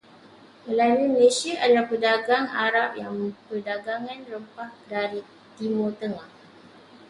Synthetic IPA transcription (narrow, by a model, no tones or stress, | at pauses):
məlanuməleʃiaʔalapədaɡaŋa̰ɾap̚jaŋpədaɡaŋanɾəmpahdaɾi | t̪imot̪əŋah